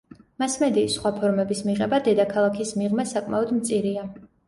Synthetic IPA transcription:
masmɛd̪iːsːχwapʰɔɾmɛbismiʁɛbad̪ɛd̪akʰalˠakʰismiʁmasakʼma̰ɔd̪mt̪sʼiɾia

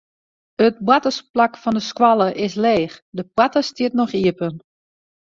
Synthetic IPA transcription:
ət̚bwatəsplakfɔndəskwalˠəʔɪs̬leːxdəpwatəstiətnɔxiəpən

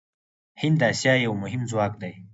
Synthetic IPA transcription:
hɪnd̪asjaːjawmʊɦɪmzwaːk̚d̪aj

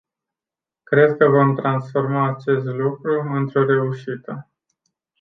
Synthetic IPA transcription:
kɾe̞d̪kəvo̞mt̪ɾansfo̞rmaːt͡ʃe̞st̪lukɾuɨnt̪ɾo̞ɾe̞uʃit̪ə

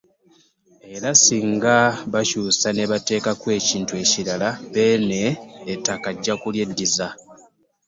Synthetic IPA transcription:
e̞ɾasiŋɡaβacuːsaneβate̞ːkakwe̞ːciːntue̞ːciɾalaβe̞ːneːtːakaɟːakulje̞dːiza

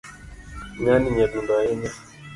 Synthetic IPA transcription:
ŋaniɲaɗundaɛɲa

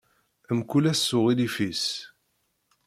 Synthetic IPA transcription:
əmkulæsːʊʁilifis

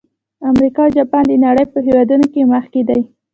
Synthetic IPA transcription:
amɾikɑwd͡ʒɑpɑnd̪ənaɽəjpəɦewɑd̪unokeməxked̪aj

